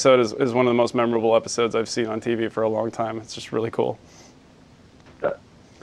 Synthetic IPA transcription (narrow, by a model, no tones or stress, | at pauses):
soʊɾɨzɪzwʌ̃nʌvðəmoʊst̚mɛmə˞əbl̩ˠɛpə̥soʊdzaɪv̥sĩnə̃ntʰivifə˞əlɔ̃ŋtʰãɪ̃mɨtsd̥ʒ̥ʌst̚ɹɪ̰lˠikʰṵlˠ